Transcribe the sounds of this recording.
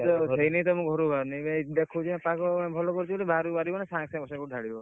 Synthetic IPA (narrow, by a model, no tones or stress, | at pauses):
t̪ɔsejneĩt̪ɔmũkɡʱɔɾubʱaɾnajmd̪ekʰud͡ʒʰiãpakɔbʱɔlɔkɔɾit͡ʃʰibɔlibʱaɾubaɾibɔnasãŋksãbɔsakudʱaɽibɔ